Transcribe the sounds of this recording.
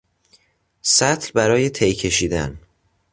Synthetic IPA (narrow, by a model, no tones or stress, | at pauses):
sæt̪ʰlbæɾɒːje̞t̪ʰejcʰe̞ʃiːd̪æ̰n